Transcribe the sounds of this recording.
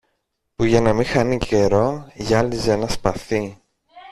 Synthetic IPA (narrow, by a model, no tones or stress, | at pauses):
puʝɐnɐmĩxɐnicʰe̞ɾo̞ʝɐlizenɐspɐθi